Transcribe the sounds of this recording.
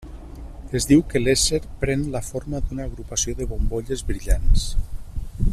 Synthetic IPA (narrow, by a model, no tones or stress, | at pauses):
ezðiwkəleseɾpɾɛnləfoɾmad̪unaːɣɾupasioðəβomboʎezβɾiʎans